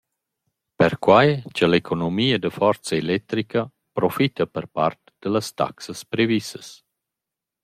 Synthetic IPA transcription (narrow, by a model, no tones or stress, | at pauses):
pəɾkwajt͡ʃəlekʰonomiːəd̪əfɔɾt͡sɐelɛt̪ɾikɐ | pɾofit̪ɐpəɾpa̰rt̪d̪̥ələst̪a̰ksəspɾevisəs